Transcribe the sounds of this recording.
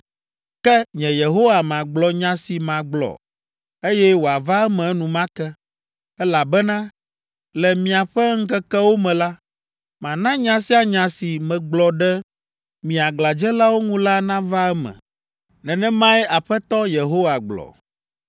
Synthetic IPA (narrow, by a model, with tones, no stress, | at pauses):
kɛ˦ɲɛ̃˨je˨ɦo˦wa˨mã˨ɡ͡blɔ˨ɲã˦si˨mã˨ɡ͡blɔ̰˨ | e˦jɛ˦wo˨a˨va˦ɛ˦mɛ̃˨˦nũ˨mã˦kɛ˦ | ɛ˦la˨bɛ˦nã˦ | lɛ˨mĩ˨a˨ɸɛ˦ŋ̩˦kɛ˦kɛ˦wo˦mɛ̃˨la˦ | mã˨nã˦ɲã˦si˦a˨ɲã˨si˨mɛ̃˨ɡ͡blɔ˨ɖɛ˦ | mĩ˨a˨ɡla˨d͡ʒɛ˦la˦wo˦ŋũ˦la˦nã˦va˦ɛ˦mɛ̰̃˨ | nɛ̃˨nɛ̃˦mã˦ɛ˦a˨ɸɛ˦t̪ɔ˦je˨ɦo˦wa˨ɡ͡blɔ̰˨